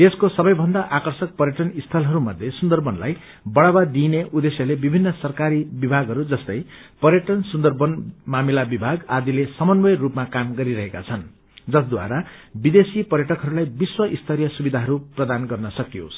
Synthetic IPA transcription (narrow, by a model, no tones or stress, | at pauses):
t̪eskosʌbʌjbʱʌnd̪aʔakʌrsʌk̚pʌɾjʌʈʌnist̪ʰʌlɦʌɾumʌd̪ʱjesund̪ʌrbʌnla̰j | bʌɽawad̪ineʔud̪esjʌlebibʱinːʌsʌrkaɾibibʱaɡɦʌɾud͡zʌst̪ʌjpʌɾjʌʈʌnsund̪ʌrbʌnmamilabibʱaɡad̪ilesʌmʌnbʌjrupmakamɡʌɾiɾʌɦeka̰t͡sʰʌn | d͡zʌsd̪wa̰ɾabid̪esipʌɾjʌʈʌkɦʌɾulajbiswʌʔist̪ʰʌɾjʌsubid̪ʱaɦʌɾuprʌd̪anɡʌrnʌsʌkijo̰s